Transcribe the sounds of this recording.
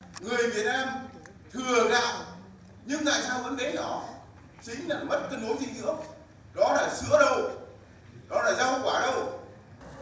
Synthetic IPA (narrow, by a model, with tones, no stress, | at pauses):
ŋɨ˨˩əjvi˨˩ət̚naː˧m | t̪ʰɨ˨˩əɣa̰ː˧˨w | ɲɨ˧ŋt̪a̰ː˧˨jsaː˧wvə̰˧˥nɗe˨˦nɔ˨˦ | t͡ɕï˨˦ŋ̟laː˨˩mə˦˥t̚t̪ə˧nɓo˨˦zḭ˧zɨ̰˧˥ə | ɗɔ˨˦laː˨˩sɨ̰˧˥əɗə˧w | ɗɔ˨˦laː˨˩zaː˧hə̰˧˨ŋ͡mkwaː˧˩ɗə˧w